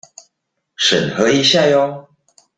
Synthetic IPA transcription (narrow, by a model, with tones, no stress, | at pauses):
ʂə̰˨˩nhɤ˧˥i˧˥ɕja˥˧jo˧